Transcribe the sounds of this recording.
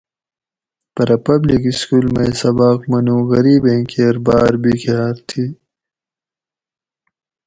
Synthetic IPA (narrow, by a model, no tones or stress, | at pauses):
pɐɾɐpɐblikiskuːlmɐjsɐbaːkmɐnũːɣɐɾiːbẽːŋkeːɾbaːɾbikjaːɾt̪ʰi